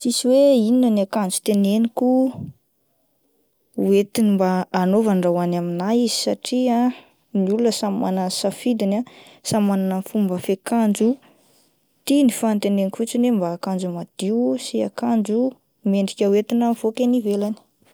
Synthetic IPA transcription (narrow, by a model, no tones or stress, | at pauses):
sisiweininanakand͡zu̥t̪enenikʲu | uet̪inimbaːnovanɖ͡ʐawanaminajizisaʈ͡ʂia | niulunəsama̰nansafid̪inasamananənfumbəfekand͡ʒu | t̪inifant̪enenikʲfut͡sinembaːkand͡ʒumad̪̥iusia̰kand͡ʒu | meɳɖ͡ʐikʲəwet̪inənfokʲenivelani̥